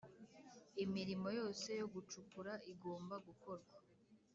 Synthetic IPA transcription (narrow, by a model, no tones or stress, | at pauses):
imiɾimo̞jo̞ːse̞jo̞ɡut͡ʃukuɾaiɡo̞ːmbaɡuko̞ɾɡwa